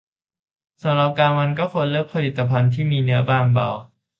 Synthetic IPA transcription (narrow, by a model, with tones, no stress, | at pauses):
sa˩˦mɾa˨˩p̚kaː˧nma˧nkɔː˥˩kʰo˧nlɯ˥˩k̚pʰa˧li˨˩t̪ːa˧pʰa˧nt̪ʰiː˥˩miː˧nɯ˦˥ɐbaː˧nba̰˨˩w